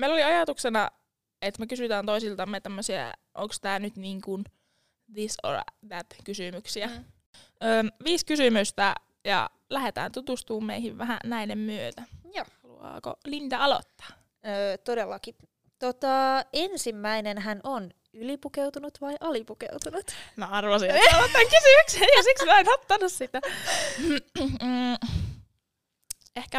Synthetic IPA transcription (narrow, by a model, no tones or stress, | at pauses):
meiloliɑjɑt̪uksenɑ̰ | et̪mekysyt̪æːnt̪oisilt̪ɑmːet̪æmːøsiæ̰ʔo̰ŋkst̪æːnyt̪niːŋkun | ðiso̰r̰ðæt̪kysymyksiæ | øːmʋiːskysymyst̪æ | jɑ̰ | læhet̪æ̰ːnt̪ut̪ust̪uːmmeihiʋʋæhæ̰næinemmyøt̪æhɑlṵɑ̰ːko̰lint̪ɑɑlo̰t̪ːɑ̥ː | øːt̪odelːɑki | t̪ot̪ɑensimːæinenɦænon | ylipukewt̪unut̪ʋɑiʔɑlipukḛwt̪unut̪mæɑrʋɑsieɑlot̪ːɑŋkysymykseɑsiksioenot̪ːɑnussit̪æ | ehkæ